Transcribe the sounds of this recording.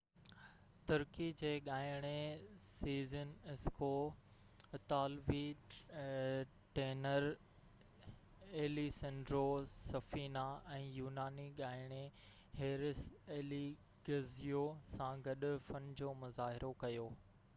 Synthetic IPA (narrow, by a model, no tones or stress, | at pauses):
t̪ʊɾkid͡ʑeːɠaːɪɽ̃esiːzənɪsko | ɐt̪aːlʋi | ʈeːnəɾ | eːlisɐ̃ɳɖɾosɐfiːnaɛ̃ːjuːnaːniɠaːɪɽ̃e | heːɾɪseːli | ɡɐzijosãɡɐɗʊ̆fɐnd͡ʑoːmʊzaːɦɪɾʔokɐjoː